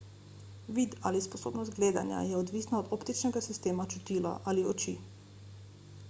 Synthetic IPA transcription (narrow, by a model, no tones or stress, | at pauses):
ʋid̪a̰lisposoːbnɔst̪̚ɡleːd̪a̰nja̰jɛod̪ʋiːsnaod̪opt̪it͡ʃnɛɡasist̪eːmat͡ʃut̪iːla̰ʔaliot͡ʃḭː